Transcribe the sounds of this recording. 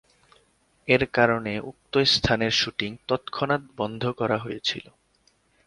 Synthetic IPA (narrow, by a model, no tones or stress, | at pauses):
eɾkaɾoneṵk̚t̪ojst̪ʰaneɾʃuʈiŋt̪ɔt̪kʰonat̪bɔnd̪ʱokɔɾaɦojet͡ɕʰilo